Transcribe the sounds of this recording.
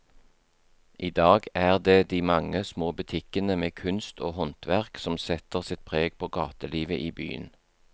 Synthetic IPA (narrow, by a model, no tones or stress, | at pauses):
ʔiːd̪ɑːɡæːʁd̪eːd̪iːmɑŋəsmoːbʉt̪ʰɪkənəmeːkʰʉnst̪ʰoːhɔnt̪ʋæʁksɔmsɛt̪əʁsɪt̪̚pʰʁeːɡ̚pʰoːɡɑːt̪əliːʋəʔiːby̰ːə̰n